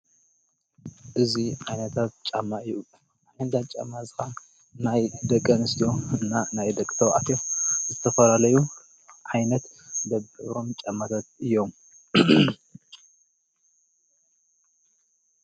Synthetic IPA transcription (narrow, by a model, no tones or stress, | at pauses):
ʔɨziʕajnɐt̪ʰat̪̚t͡ʃʼamːaɨjːu | ħɨnt̪ʰant͡ʃʼa̰mːazɨxan | najd̪ɐkʼːɐnɨst̪ʰijo̞ɨnːanajd̪ɐkʼːɨ̥t̪ʰɐwʕat̪ʰjo̞zɨt̪ʰɐfɐlalɐju | ʕajnɐt̪d̪ɐbɨβɾo̞mt͡ʃʼamːat̪ʰat̪̚ɨjːo̞m